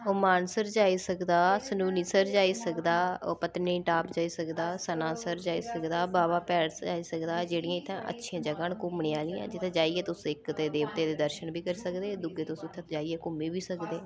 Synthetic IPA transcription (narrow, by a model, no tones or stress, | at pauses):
oːmaːnsəɾd͡ʒaːiːsəkd̪aːsənuːniːsəɾd͡ʒaːiːsəkd̪aːpət̪nẽːʈaːpd͡ʒaːiːsəkd̪aːsənãːsəɾd͡ʒaːiːsəkd̪aːbaːbaːpɛːɽaːiːsəkd̪aːd͡ʒeːɽĩːãːɪt̪ʰːã̰ːʔə̰tːʃʰĩãːd͡ʒəɡaːnkʊmɳeːaːliːã̰ːd͡ʒɪt̪ʰːẽːd͡ʒaːiɛːt̪ʊsɪkt̪eːd̪eːʋt̪eːd̪eːd̪əɾʃənbiːkəɾiːsəkd̪eːd̪ʊɡeːt̪ʊsɪt̪ʰːãt̪d͡ʒaːiɛːkʊmeːbiːsəkd̪eː